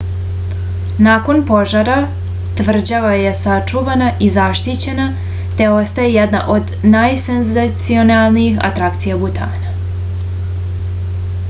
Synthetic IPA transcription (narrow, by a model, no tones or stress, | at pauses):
naːko̞npo̞ʒaɾa | t̪ʋr̩d͡ʑaʋaje̞sat͡ʂuʋanaʔizaʃt̪it͡ɕe̞na | t̪e̞o̞st̪ajejed̪na̰ʔo̞d̪najsenzat̪sio̞nalˠniixa̰t̪ɾakt̪sijabut̪a̰ːna